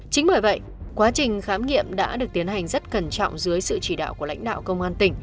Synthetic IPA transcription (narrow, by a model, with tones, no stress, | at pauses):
t͡ɕï˨˦ŋ̟məː˧˩jvə̰˧˨j | kwaː˨˦t͡ɕï˨˩ŋ̟xaː˨˦mŋḭ˧˨əmɗa̰ː˧˥ɗɨ˨˩ək̚t̪i˨˦ənha˨˩jŋ̟zə˦˥t̚kə˧˩nt͡ɕɔ̰˧˨wŋ͡mzɨ˨˦əjsɨ̰˧˨t͡ɕi˧˩ɗa̰ː˧˨wku˧˩əla̰˧˥jŋ̟ɗa̰ː˧˨wkə˧wŋ͡mʔaː˧nt̪ï˨˩ŋ̟